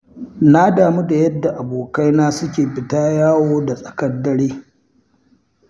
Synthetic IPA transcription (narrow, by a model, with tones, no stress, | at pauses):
na˦daː˨mi˦da˨jɐ˦dːa˨ʔa˨boː˨ka˦jnaː˦sʊ˦kʲeː˨ɸɪ˦taː˦jaː˦woː˦da˨sʼɐ̥˨kɐ˦dːɐ˦ɽiː˦